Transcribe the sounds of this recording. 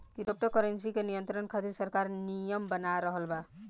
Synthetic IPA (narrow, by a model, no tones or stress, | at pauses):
kiɾop̚ʈəkɔɾensikenijənt̪ɾənkʰad̪isəɾkaɾnijəmbənaɾəɦəlba